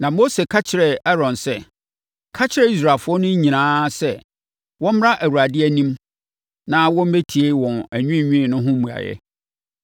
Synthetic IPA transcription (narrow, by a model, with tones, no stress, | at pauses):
nã˨mo˦se˨kʰa˦t͡ɕʰɪ˨ɾɛ˨ɛ˦ɾɔ̃˨nsɛ˦ | kʰa˦t͡ɕʰɪ˦ɾɛ˦i˦s̬ɾa˨fʊ˦ɔ˦nʊ̃˦ɲ˦ɲĩ˨nãː˦sɛ˦˨ | wɔ̃˦m̩˦m˦ɾa˦ʔæ˨wu˨ɾa˨dɪ˦æ˨nĩ˦m | nã˦wɔ̃˦m˦be˦tʰi˨e˦wɔ̃˨næ˨ɲᶣũ˦˨ɲᶣĩ˦˨nʊ̃˦ɦʊ̃˦mũ˨a̰˨jɛ̰˦